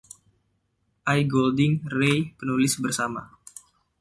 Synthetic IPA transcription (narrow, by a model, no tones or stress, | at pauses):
ʔajɡoldɪŋrejpənulɪsbərsama̰